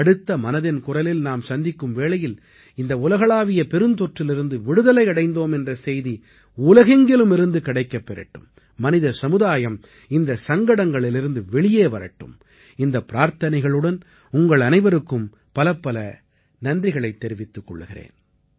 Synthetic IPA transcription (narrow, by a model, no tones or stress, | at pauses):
ɐɽɯt̪ːɐmɐnɐðɪnkʊrɐlɪlnaːmsɐnd̪ɪkːɯmʋeːɭɐjɪl | ɪnd̪ɐʊlɐɣɐɭaːʋɪjɐpɛɾɯnt̪ɔʈrɪlɪɾɯnd̪ɯʋɪɽɯðɐlɐɪɐɽɐɪnd̪oːmɛndrɐsɛjði | ʊlɐɣɛŋɡɪlɯmɪɾɯnd̪ɯkɪɽɐɪkːɐpːɛɾɐ̰ʈːɯ̰mː | ɐnɪðɐsɐmɯðaːjɐm | ɪnd̪ɐsɐŋɡɐɽɐŋɡɐɭɪlɪɾɯnd̪ɯʋɛɭɪjeːʋɐɾɐ̰ʈːɯ̰m | ɪnd̪ɐpːɪɾaːɾt̪ɐnɐɪɣɐɭɯɽɐn | ʊŋɡɐɭɐnɐɪʋɐɾɯkːɯm | pɐlɐpːɐlɐ | nɐndrɪɣɐɭɐɪt̪ːɛɾɪʋɪt̪ːɯkːɔ̰ɭːɯɣɪrḛːn